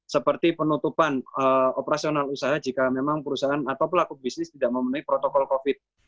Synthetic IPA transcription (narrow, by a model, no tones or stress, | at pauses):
səpərt̪ipənut̪upanəopəɾasionalusaɦad͡ʒikamemaŋpəɾusaanat̪awp̬əlakubisnɪst̪idaʔməmənuɦipɾot̪okɔlkofɪt̪̚